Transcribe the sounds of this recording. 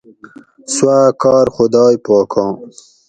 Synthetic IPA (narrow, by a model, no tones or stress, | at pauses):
swaːkɑːɾxʊd̪ɑːjpɑːkʰɑ̃ː